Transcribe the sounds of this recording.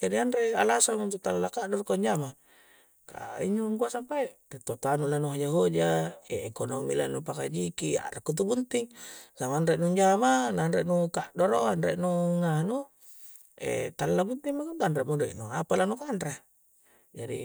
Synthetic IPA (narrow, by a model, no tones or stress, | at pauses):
d͡ʒadianɾealasamunt̪ut̪allakaʔdɔrkoɲd͡ʒama | ka̰ḭɲuŋkuasampaiʔet̪ot̪anulanuɦod͡ʒaɦod͡ʒaeekonomilanupakad͡ʒikia̰ɾakːut̪̬ubunt̪iŋsamanɾeʔnuɲd͡ʒamananɾeʔnukaʔdoɾoanɾeʔnuŋanu | ɛ̰t̪allabunt̪iŋmakad̪anɾeʔmudɛ̰ʔnṵapalanukanɾe | d͡ʒadḭ